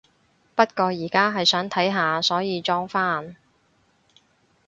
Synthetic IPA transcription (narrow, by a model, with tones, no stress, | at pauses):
pɐ˥t̚kɔː˧jiː˨˩kaː˥ɦɐ˨jsœː˨˥ŋt̪ʰɐ˨˥jɦaː˨sɔː˨˥jiː˨˧t͡ʃɔː˥ŋfaː˥n